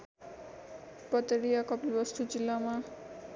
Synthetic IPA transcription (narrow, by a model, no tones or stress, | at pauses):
pʌt̪ʌɽijakʌpibʌst̪ud͡zilːama